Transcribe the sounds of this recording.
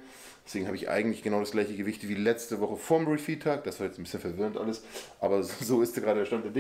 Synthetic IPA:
dɛsv̥eːɡŋ̩haːbəɪçʔa̰ɪɡŋ̩tlɪçɡ̥ənaʊɾasɡ̥laɪçəɡəvɪçtv̥iːlɛt͡stəvɔχəfoːɐmʁifiːtʰaːk̚d̥asv̥aːjɛt͡sn̩bɪsçənfɛɐvɪʁəntʔa̰ləsʔaːbɐzoːɪstaɡʁaːɾədɛɐʃtant̚d̥eɐdɪ

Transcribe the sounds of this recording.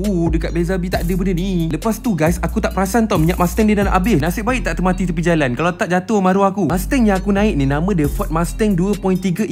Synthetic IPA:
udəkat̪̚bezabit̪aʔdəbənəniləpast̪uɡajsakut̪aʔpəɾasant̪amiɲaʔmast̪ɛŋdədanaʔabɪnasɪʔ̚baɪʔ̚t̪aʔt̪əmat̪it̪əpid͡ʒalankalat̪aʔ̚d͡ʒat̪ʊhmãɾuakumast̪ɛŋjaŋakunãɪʔ̚nĩnamə̃dəfɔt̪̚mast̪ɛŋduəpɔint̪iɡə

